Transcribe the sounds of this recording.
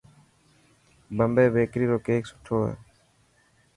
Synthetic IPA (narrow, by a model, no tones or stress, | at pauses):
bəmbeːbeːkɾiːɾoːkeːksʊ̥ʈʰoːɦḛː